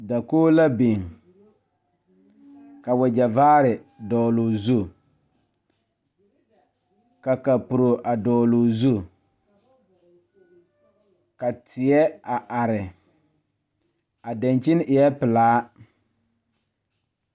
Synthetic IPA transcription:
da˨koː˦la˦bi˨ŋ | ka˨wɛ˨d͡ʒa˨vaː˦ɾɪ˨dɔː˨lʊ˨zu˦ | ka˨ka˨pu˨ɾo˨ʔa˨dɔː˨lʊ˨zu˦˨ | ka˨tɪ˨ɛ˦a˨ʔa˨ɾɪ˨ | a˨da˨nt͡ʃi˦n˦ʔɪ˨ɛ˦pɪ˨laː˦

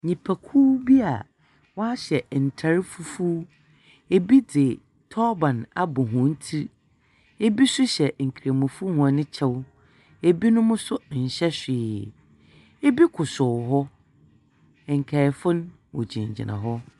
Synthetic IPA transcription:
ɲĩ˨pʰæ˨kʰu˦bi˦a̰˨ | wɔ˦a˦ɕɛ˨n̩˨tʰa˨˦ɾɪ˦fu˦fu˦ | e˨bi˦dɪ˨ | tʰɔ˦bã˨na˨bʊ˨ɦʊ̃˨n̩˦tʰi˦ | e˦bi˦sʊ˦ɕɛ˨ŋ̩˨kʰi˨ɾa˨mʊ̃˨fu˦hʊ̃˨a˨nɪ̃˦t͡ɕʰɛ˦w | e˨bi˦nʊ̃˦mʊ̃˦sʊ˦n̩˨ɕɛ˦ɕᶣɪː˨ | e˦bi˦kʰʊ˨sʊ˨ɦɔ˦˨ | ŋ̩˨kʰɛ˨fʊ̃˦n | wɔ̰˨d͡ʑĩ˨ɲd͡ʑɪ̰˨nʔã̰˨ɦɔ˦

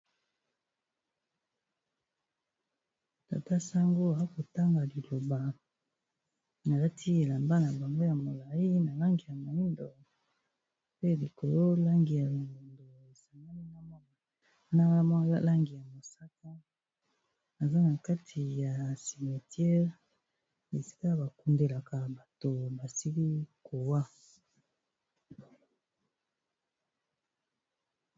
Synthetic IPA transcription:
ta̰˨ta˦sa˦ŋɡo˦a˨a˦ko˨ta˦ŋɡa˨li˨lo˨ba˨ | na˨la˦tʰi˦e˨la˨mba˦na˨ba˨ŋɡo˦ja˨mo˨la˨i˦na˨la˦ŋɡi˨ja˨ma˨i˦ndo˨ | pe˦˨li˨ko˨lo˦la˦ŋɡi˨ja˨ma˨i˨ndoe˨sa˨ŋa˦ni˦na˦m˦˨˦ | na˦a˦la˦ŋɡi˨ja˨mo˨sa˦ka˦ | na˨za˦na˨ka˦tʰi˨ja˨si˨me˨tjɛ˦ʁ | e˨si̥˦ka˦ba˨ku˦nde˨la˨ka˨ba˨to˨ba˨si˦li˦ko˨wa˦

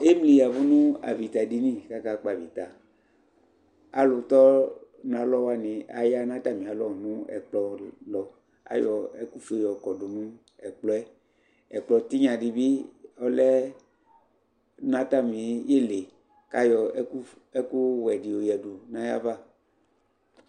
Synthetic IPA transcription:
e˦mli˨ja˨vu˦nũ˦a̰˨vi˨t̪a˨di˨nĩ˦˨ka˦ka˦k͡pa˨vi˨t̪a˨ | a˦lʊ˨t̪ɔ˦ | nã˨lɔ˦wa˦nĩ˨a̰˨ja˦nã˦t̪a˦˨mĩ˨a˨lɔ˦˨nũ˦ɛ̰˨k͡plɔ˨lɔ˨ | a̰˨˦jɔ˨ɛ̰˦ku˦fe˦jɔ˨kɔ˨du˨nũ˦ | ɛ˨k͡plɔ˦ɛ˦ | ɛ˨k͡plɔ˨t̪i˦ɲã˨ɖi˨bi˦ɔ˦lɛ˦ | nã˦t̪a˦mĩ˨je˦le˨ | ka˦jɔ˨˦ku˦ | ɛ˦ku˦wɛ˨di˨o˨jɛ˨du˨nã˦ja̰˦va˦

